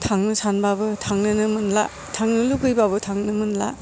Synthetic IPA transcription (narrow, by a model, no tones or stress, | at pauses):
tʰaŋnɯsanbabɯtʰaŋnɯnɯmɯnla̰ | tʰaŋnɯlukɯjbabɯtʰaŋnɯmɯnla̰